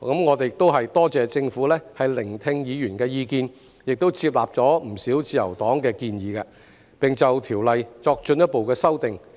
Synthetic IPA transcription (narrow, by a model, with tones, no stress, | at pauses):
kɐ˨˥mŋɔː˨˧t̪e˨jk̚t̪o˥wɦɐ˨jt̪ɔː˥t͡sɛː˨˧t͡sɪ˧ŋfuː˨˥lɛː˥hɐ˨jlɪ˨˩ŋt̪ʰɪ˧ŋjiː˨˧jyː˨˩nkɛː˧jiː˨˧kiː˧n | jɪ˨k̚t̪o˥wt͡sʰiː˧p̚laː˨˩p̚t͡sɔː˨˥m̩˨˩siː˨˥wt͡siː˧jɐ̰˨˩wt̪ɔː˨˥ŋkɛː˧kiː˧njiː˨˧kɐː˧ | pɪ˨ŋt͡sɐ˨wt̪ʰiː˨˩wlɐ˨jt͡sɔː˧k̚t͡ʃɵ˧njɐ˥t̚po˨wkɛː˧sɐ˥wt̪ɪ˨ŋ